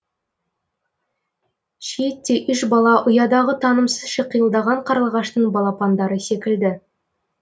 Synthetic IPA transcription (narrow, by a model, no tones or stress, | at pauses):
ʃet̪ːe̞ʔʏʃbɑlˠɑʔʊjɑd̪ɑʁət̪ʰɑnəmsəzʃeqʰːəjəlˠd̪ɑʁɑɴqʰɑɾəlˠʁɑʃt̪əɴbɑlˠɑpʰɑnd̪ɑɾəse̞kʲɪld̪ɪ